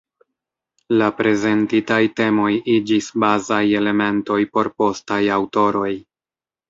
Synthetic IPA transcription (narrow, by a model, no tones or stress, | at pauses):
lapɾe̞ze̞ntitajte̞mo̞jid͡ʒisbazaje̞le̞me̞nto̞jpo̞ɾpo̞stajawto̞ɾo̞j